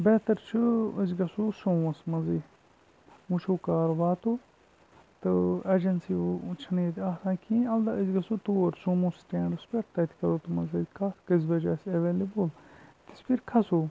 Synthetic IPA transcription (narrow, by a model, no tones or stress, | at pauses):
bɛːt̪ɐɾt͡ʃʰɨəzɡɐsuːsõːmɐsmɐziː | mũt͡ʃʰoːkaːɾʋaːt̪oː | t̪ɨɐd͡ʒɐnsit͡ʃʰɐniːt̪aːsãːkʰĩːɐld̪aɨzɡɐsuːt̪uːɐɾsũːmũːsʈẽːɳɖɨspʲeɾt̪ɐt̪ʰi̥kɐɾoːt̪umɐzɐkʰakɐzʋɐd͡ʒaːsɐʋeːlibult̪ispʰiɾkʰɐsoː